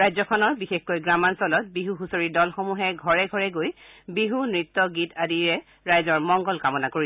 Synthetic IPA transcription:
ɹajzɔkʰɔnɔɹbixexkojɡɹamansɔlɔt̚biɦuɦusoɹidɔlxomuɦɛɡʱɔɹɛɡʱɔɹɛɡoj | biɦunɹit̪ːɔɡitadiɹɛ | ɹajzɔɹmɔŋɡɔlkamɔnakoɹi

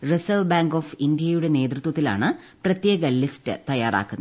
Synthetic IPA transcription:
resɐʋbaːŋɡo̞ːfind̪ijɐjuɽe̞ne̞ːt̪rut̪wɐt̪ːila̰ːɳɨprɐt̪jeːɣɐlistɨ̰t̪ɐjːaːra̰ːkːunːɐ

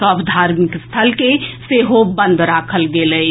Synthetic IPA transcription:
kəbd̪ʱaɾmikst̪ʰəlkeseɦobə̃nd̪ʱɾakʰəlɡelə

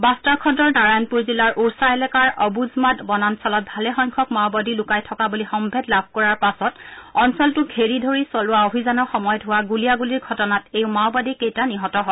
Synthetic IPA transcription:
bastakʰɔdɔɹnaɹanpuɹzilaɹʔuɹsaɛlɛkaɹʔɔbuzmatbɔnansɔlɔt̚bʱalɛxɔjŋkʰɔkmawbadilʊkajtʰɔkabulixɔmbʱedlab̚ʱkɔɹaɹpasɔtɔnsɔltʊɡʱeɹidʱoɹisɔlʊwaobʱizanɔɹxɔmɔjɔtɦʊwaɡulijaɡuliɹɡʱɔtɔnatewmawbadikejtaniɦɔtɔɦɔ

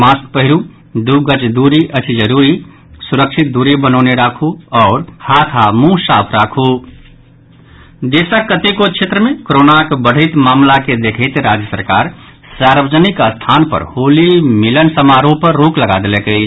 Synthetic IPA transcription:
mask̪̚pəɦiɾu | d̪uɡət͡ʃd̪uɾiʔət͡ʃʰid͡ʒəɾuɾi | suɾəkʃʰit̪̚d̪uɾibənɔʊneɾakʰuɔːɾhat̪ʰamũsapʰɾakʰu | d̪esakət̪ekokʰt͡ʃʰet̪ɾəmẽkoɾonakebəɽ̤ʱət̪maːmlaked̪ekʰəɪt̪ɾad͡ʒjəsəɾkaɾ | saɾbəd͡ʒənikst̪ʰanpə̰ɾholimilənsəmaɾopəɾːokləɡad̪elekəj

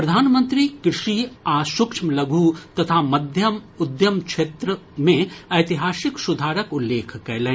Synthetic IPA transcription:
pɾɐd̪ʱaːnmə̃nt̪ɾikɾɪʂiaːsukʂʰmlɐɡʱuːt̪ɐt̪ʰaːmɐd̪ʱjɐmud̪jɐmkt͡ʃʰeːt̪ɾəmẽɐjt̪iɦaːsiksud̪ʱaːɾɐkulːeːkʰkɐjle

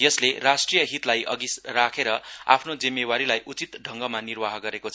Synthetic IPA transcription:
jʌslerasʈrijʌɦit̪lajʔʌ̰ɡisrakʰeɾʌa̰pʰnod͡zimːewaɾilajʔut͡sit̪ɖʱʌŋɡʌmanirbaɦɡʌɾekot͡sʰ

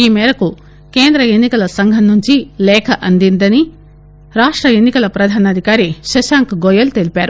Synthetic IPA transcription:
iːmɛːɾɐku | keːnd̪ɾɐenːikɐlɐsɐŋɡʱɐnːuɲt͡ʃilɛːkʰɐʔɐnd̪ind̪ɐni | ɾaːʂʈɾɐenːikɐlɐpɾɐd̪ʱaːnɐd̪ʱikaːɾiʃɐʃaːŋkɡɔjɐlt̪e̞lipaːɾu

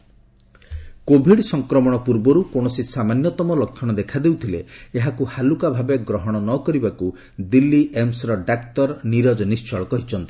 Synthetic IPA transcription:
kobʱiɽsɔŋkɾɔmɔɽ̃ɔpuɾbɔɾukoɽ̃ɔsisamanjɔt̪ɔmɔlɔkʰːjɔɽ̃ɔd̪ekʰad̪ewt̪ʰilḛeɦakuhalukabʱabeɡɾɔɦɔɽ̃ɔnɔkɔɾibaku | d̪ilːiʔemsɾɔɖakt̪ɔɾniɾɔd͡ʒɔnist͡ʃɔɭɔkɔɦit͡ʃʰɔnt̪i̥

